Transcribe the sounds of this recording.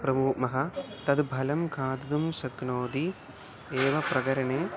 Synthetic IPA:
pɾɐmuːkmɐɦɐt̪ɐd̪bʱɐlɐmkʰaːd̪ɐd̪umsɐɡnoːd̪i | eːʋɐpɾɐɡɐɾɐɳeː

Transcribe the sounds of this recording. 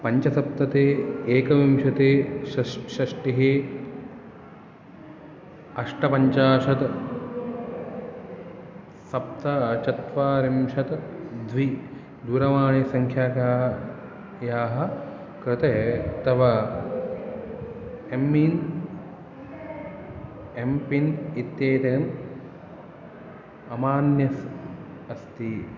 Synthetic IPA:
pɐɲt͡ʃɐsɐp̚t̪ɐt̪eːeːkɐʋimʃɐt̪eːʃɐʃɐʂʈiɦeː | ɐʂʈɐpɐɲt͡ʃaːʃɐt̪ | sɐp̚t̪ɐt͡ʃɐt̪ʋaːɾimʃɐt̪d̪ʱʋi | d̪uːɾɐʋaːɳeːsɐŋkʰjaːkaː | jaːɦɐ̆ | kɾɪt̪eːt̪ɐʋa | emːin | empinit̪jeːt̪ɐjɐn | ɐmaːnjɐs | ɐst̪i

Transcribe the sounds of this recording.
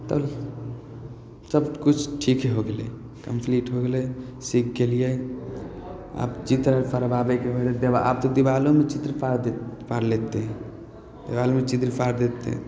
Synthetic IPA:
t̪ə | səbkut͡ʃʰʈʰikɦeɦoɡele | kəmpʰliʈɦoɡelɛsik̚ɡelijə | a̰pt͡ʃit̪ɾəpʰəɾəbabekeɦod̪et̪d̪ebaʔab̚t̪od̪ibalomet͡ʃit̪ɾəpaɾd̪epaɾlet̪e | d̪ibalomet͡ʃit̪ɾpaɾd̪et̪ḛ

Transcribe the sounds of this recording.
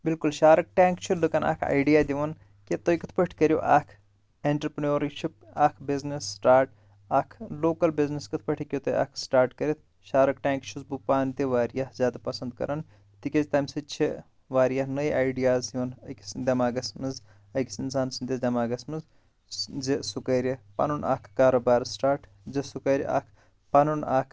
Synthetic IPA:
bilkulʃaːɾɐk̚ʈãːŋkt͡ʃʰulɨkɐna̰ːkʰa̰ːjɖijaːd̪ʲiʋɐn | ket̪ojkɨt̪̚ʰpɐʈʰkɐɾijo̰ʔaːkʰ | eɳʈɐɾpnjoːɾʃʰip̚ | aːkʰbiznesːʈaːɾʈ | ɐkʰloːkɐlbizneskɨt̪̚ʰpɐʈʰikjot̪oa̰ːkʰsʈaːɾʈkɐɾit̪̚ʰ | ʃaːɾɐkʈʲãːŋkt͡ʃʰuzbupaːnt̪iʋaːɾijahzʲjaːd̪apɐsɐnd̪kɐ̰ɾɐn | t̪ikʲezt̪ɐːmsit͡ʃʰi | ʋaːɾijaɦnɐjaːjɖijaːzjunɐkʲsd̪ʲɐmaːɡɐsmɨnz | ɐjkʲsinsaːnsind̪eːzd̪ʲɐmaːɡɐsmɨnz | zisukɐːɾʲɐpɐ̰nunʔa̰kʰkaːɾoːbaːɾsʈaːɾʈ | zisukɐːɾ̰ʲʔɐ̰kʰ | pɐnunakʰ

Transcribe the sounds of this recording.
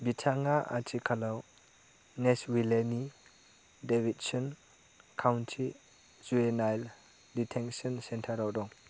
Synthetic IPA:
bitʰaŋaʔa̰tʰikʰalaw | neswileni | debit̚sɯn | kʰawntʰi | zuenajl | ditʰeŋsɔnsentʰaɾawdɔŋ

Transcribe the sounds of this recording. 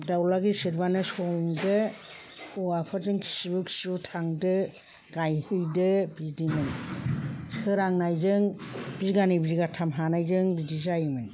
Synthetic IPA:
dawlaɡisɯɾbanɯsɔŋdɯ | ɔapʰazɯŋkʰi̥sibuksutʰaŋdɯ | ɡ̥ajhɯjdɯbidimɯj | sɯɾaŋnajzɯŋbiziɡanɯjbiziɡatʰamɦanajzɯŋbidizajmɯn

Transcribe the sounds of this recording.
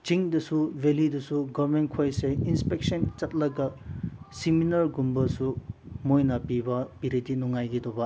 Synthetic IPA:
t͡ʃiŋdɐsubelidɐsuɡɔbmen̚kʰojseinspek̚sɔnt͡ʃɐt̚lɐɡasiminɐɾɡumbɐsumojnɐpibɐpiɾidinuŋajɡidɔba

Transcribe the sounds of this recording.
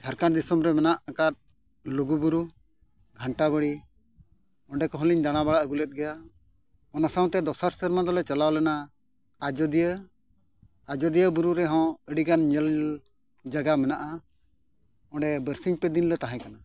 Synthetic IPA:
d͡ʒʰaɾkaɽd̪isɔmɾɛmɛnaʔkat̪̚ | luɡubuɾu | ɡʱəɳʈaβəɽi | ɔ̃ɖɛkɔɦɔ̃liɲd̪aɽ̃abaɽaʔəɡulɛt̪̚ɡɛja | ɔnasaw̃t̪ɛd̪ɔsaɾsəɾmad̪ɔlɛt͡ʃalawlɛnaː | d͡ʒɔd̪ijə | ad͡ʒɔd̪ijəbuɾuɾɛɦɔ̃əɽiɡanɲɛl | d͡ʒaɡamɛnaʔa | ɔ̃ɳɖɛbəɾsiɲpɛd̪inlɛt̪aɦɛ̃kana

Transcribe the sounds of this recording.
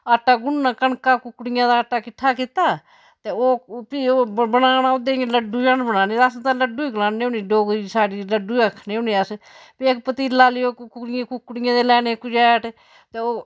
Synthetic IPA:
aːʈːaːɡʊnːãːkənkaːkʊkːɽɪjãːd̪aːaʈːaːkɪʈʰːaːkɪt̪aː | t̪eːoːpioːbənaːnaːʊd̪eːŋeləɖːuːd͡ʒãːnbənaːneːast̪ãːləɖːuːiklãːnːeːʊniːɖoːɡɾisaːɽiːləɖuːəkʰneːʊniːəspekpət̪iːlaːlɪjoːkʊɽekʊkːɽɪjãːd̪eːlɛːneːkʊd͡ʒɛːʈ | t̪eːoː

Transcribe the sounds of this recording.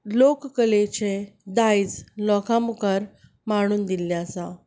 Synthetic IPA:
lokkəlet͡ɕed̪ajd͡zlɔkʰãmukəɾ | maɽ̃uːnd̪ilːasa

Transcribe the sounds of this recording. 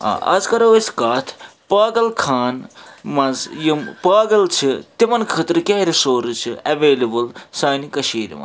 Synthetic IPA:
a̰ɐ̰zkɐɾɐwiskaːt̪ʰpaːɡɐlkʰaːnmɐzjimpaːɡɐlt͡ʃʰit̪imɐnkʰət̪ɾɨkʲaːɾisoːɾt͡ʃʰiɐʋeːlɐbɨlsaːnikɐʃiːɾḭmɐ̰

